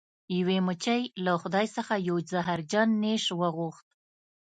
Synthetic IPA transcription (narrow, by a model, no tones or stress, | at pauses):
jawemʊt͡ʃəjlaxʊd̪ɑjsəxajozaɦaɾd͡ʒɑnːeʃwəɣuxt̪̚